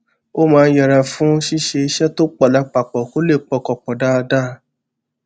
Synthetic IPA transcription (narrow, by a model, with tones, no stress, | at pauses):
o˦mãː˧˦jɛ˨ɾa˨fũ˦ʃi˦ʃe˧i˧ʃɛ˦to˦k͡pɔ˨la˨˦k͡pa˨k͡pɔ˨ko˨˦le˦˨k͡pɔ˦˨kɔ˨k͡pɔ˨da˦˧da˦˧˦